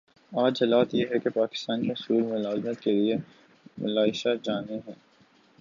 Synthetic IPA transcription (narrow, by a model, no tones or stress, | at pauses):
aːd͡ʒɦɐlaːt̪jeɦɛkepaːkɪ̥st̪aːnkiɦʊsuːlmelaːzmət̪kelie | mɐ̰laːɪʃad͡ʒaːneɦɛ̃ː